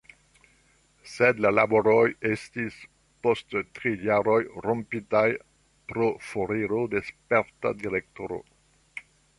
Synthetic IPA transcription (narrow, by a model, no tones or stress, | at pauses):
sedlalaboɾojestis | posttɾijaɾo̞jrompitaj | pɾofoɾiɾode̞speɾta̰diɾek̚toɾo̰